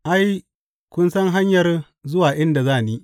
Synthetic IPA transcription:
ʔa˦j | kʷʊ˦nsɐ˦ŋɦa˦ɲjɐ˨r | zʊ˦waː˨ʔɪ˦nda˨zaː˦˨niː˦

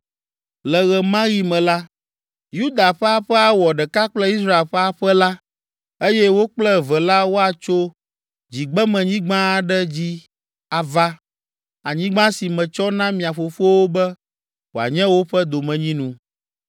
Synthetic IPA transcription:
lɛ˨ɣɛ˨mã˦ɣi˦mɛ̃˨la˦ | ju˦d̪a˨ɸɛ˦a˨ɸɛ˦a˦˨wɔ˨ɖɛ˨ka˦k͡plɛ˦i˦s̬ɾa˦e˨lɸɛ˦a˨ɸɛ˦la˦ | e˦jɛ˦wo˦k͡plɛ˦vɛ˨la˦wo˦a˨t͡ʃo˦ | d͡ʑi˨ɡ͡bɛ˦mɛ̃˨ɲĩ˦ɡ͡bã˦˨ɖɛ˦d͡ʑi˦ | a˨va˦ | a˨ɲĩ˦ɡ͡bã˦si˨mɛ̃˨t͡ʃɔ˦nã˦mĩ˨a˨ɸo˨ɸo˦wo˦bɛ˦ | wo˨a̰˨ɲɛ̃˦wo˦ɸɛ˦d̪o˨mɛ̃˨ɲĩ˦nũ˨

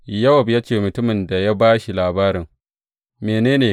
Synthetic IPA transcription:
jɐ˦wɐ˨bja˦t͡ʃeː˨mʊ˨tʊ˦mɪ˨nda˨ja˦baː˦ʃi˨laː˨baː˦ɾɪ˨ŋ | meː˨neː˦neː˨

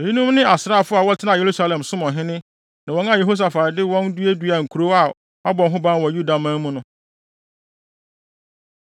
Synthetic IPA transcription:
e˨ĩ˦nũ˦mnɪ̃˦ʔa˨sɾa˦˨fʊ˦a˨wɔ˦tʰɪ˦nã˨e˨ɾu˦sa˦lɛ̃˨msʊ̃˦mɔ̃˨ɦɪ̃˦nɪ̃˦ | nã˨wɔ̃˦nã˦je˨ɦo˦s̬a˨fa˨ɾɪ˨dɪ˦wɔ̃˦ndu˦e˦du˦˨a˨ŋ̩˨kʰu˨ɾo˦a˨ | a˦bɔ̃˨ŋɦʊ̃˦bã˦nwɔ˨ju˦da˨mã˦mũ˦nʊ̃˦

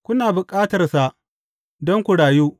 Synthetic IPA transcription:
kʷʊ˦naː˨bʊ˨kʼaː˦tɐ˨rsa˨ʔ | dɔ˦ŋkʷʊ˨ɽaː˨juː˦

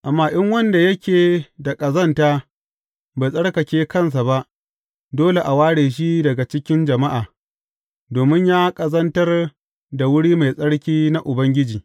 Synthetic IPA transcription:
ʔa˨mːaː˦ʔɪ˦ŋwɐ˦nda˨jɐ˦kʲʰeː˨da˨kʼɐ˨zɐ˦ntaː˦ | ba˨sʼɐ˦ɽkɐ˨kʲeː˦kɐ˦˨ns̬a˨ba˦ʔ | doː˦le˨ʔa˨waː˦ɽeː˨ʃ̬i˦dɐ˨ɡa˨t͡ʃɪ˦kʲɪ˦nd͡ʒɐ˨ma˦ʔaː˨ | doː˨mɪ˦ɲjaː˦kʼɐ˨zɐ˦ntɐ˦r | da˨wʊ˦ɽiː˦ma˨jsʼɐ˦ɽkʲiː˦na˦ʔʊ˨bɐ˦ŋɡʲɪ˦d͡ʒiː˨

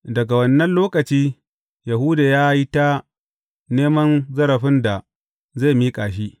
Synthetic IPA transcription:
dɐ˨ɡa˨wɐ˦nːɐ˦nloː˦kɐ˨t͡ʃiː˦ | ja˨ɦu˦da˨jaː˦ji˦ta˦ | neː˦mɐ˦nzɐ˦ɾɐ˨ɸɪ˦nda˨ | za˦˨miː˦kʼaː˨ʃ̬iː˦ʔ

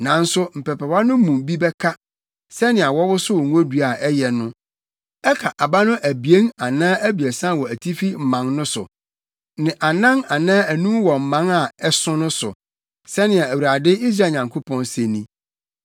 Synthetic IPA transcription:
nã˨n̩˦sʊ˦m̩˨pɛ˨pʰɛ˨wa˦nʊ̃˦mũ˨mbi˦bɛ˦kʰa˦ | sɛ˦nɪ̃˨a˨wɔ˦wʊ˦sʊ˦wɔ˨ŋũ˦o˦du˦a˨ɛ˦jɛ˨nʊ̃˦ | ɛ˦kʰa˨ʔa˨ba˦nʊ̃˦ʔæ˨bi˨e˦ŋa˨nãː˦æ˦bi˨æ˨sã˦wɔ˨æ˨tʰi˦fi˦m̩˨mã˨ŋnʊ̃˦sʊ̰˨ | nɪ̃˨ʔa˨nã˦ŋa˨nãː˦æ˨nũ˦m˦wɔ˨m̩˨mːã˨˦ŋa˨ɛ˦sʊ̃˦nʊ̃˦sʊ̰˨ | sɛ˦nɪ̃˨a˨æ˨wu˨ɾa˨dɪ˦i˦sɾa˦˨ɲã˨ŋkʰo˦pʰɔ̃˦nsẽ˨nĩ˦

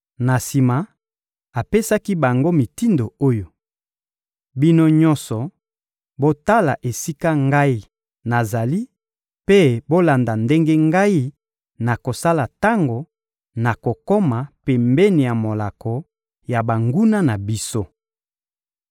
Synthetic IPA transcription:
na˨si˨ma˨ | a˨pe˦sa˦ki˦ba˨ŋɡo˦mi˨ti˦ndo˨o˦jo˨ | bi˦no˦ɲɔ̃˦nsɔ˨ | bo˦ta˦la̰˨ʔe˨si˦ka˦ŋɡa˦i˦ | na˨za˨li˦ | pe˦bo˦la˨nda˨nde˦ŋɡe˦ŋɡa˦i˦ | na˨ko˨sa˦la˨ta˦ŋɡo˨ | na˨ko˨ko˦ma˨pe˨mbɛ˦ni˨ja˨mo˨la˨kɔ˨ | ja˨ba˨ŋɡu˦na˦na˨bi˦so˦

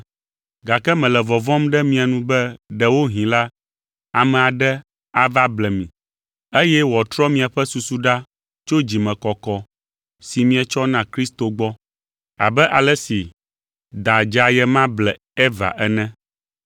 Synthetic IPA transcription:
ɡa˨kɛ˦mɛ̃˨lɛ˨vɔ˨vɔ̃˦mɖɛ˦mĩ˨a˨nũ˦bɛ˦ɖɛ˨wo˦ɦĩ˨la˦ | a˨mɛ̃˨a˨ɖɛ˦ | a˨va˦blɛ˨mĩ˨ | e˦jɛ˦wɔ˨t̪ɾɔ˦mĩ˨a˨ɸɛ˦su˨su˦ɖa˦ | t͡ʃo˦d͡ʑi˨mɛ̃˨kɔ˨kɔ˨ | si˨mĩ˨ɛ˨t͡ʃɔ˦nã˦kɾi˦st̪o˨ɡ͡bɔ˦ | a̰˨bɛ˦ʔa˨lɛ˦si˨ | d̪a˨d͡ʒa˨jɛ˦mã˦blɛ˨ | ɛ˦va̰˨ʔɛ˦nɛ̃˦

